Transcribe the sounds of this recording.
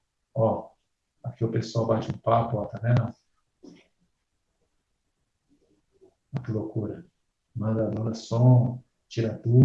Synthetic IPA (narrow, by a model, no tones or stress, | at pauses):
ɔ | akiʊpesoawbat͡ʃuũpapʊat̪ɐnɛnɐ̃ | aklokuɾɐ | mɐzad̪õnɐsõ | t͡ʃiɾad̪u